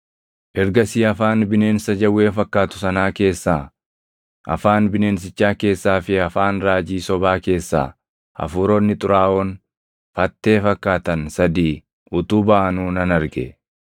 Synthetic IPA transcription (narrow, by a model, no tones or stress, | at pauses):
ʔɛɾɡɐsiːɐfaːnbɪne̞ːnsɐd͡ʒɐwːe̞ːfɐkːaːt̪ʊ̥sɐnaːke̞ːsːaː | ʔɐ̰faːnbɪne̞ːns̬ɪt͡ʃːaːke̞ːsːaːfɪɐfaːnɾaːd͡ʒiːsɔbaːke̞ːsːa̰ː | ɐ̰fuːɾɔːnːɪt̪ʼʊɾaːʔɔn | fɐt̪ːe̞ːfɐkːaːt̪ɐnsɐd̪iː | ʔʊt̪uːbɐʔɐnuːnɐnɐɾɡɛ̰